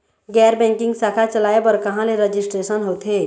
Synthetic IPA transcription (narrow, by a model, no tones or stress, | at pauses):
ɡɛːɾbɛ̃ːŋkɪ̃ŋɡsaːkʰat͡ʃəlaːebɔːɾkɐɦãleɾəd͡ʒɪsʈɾeːʃənɦoːt̪ɦeː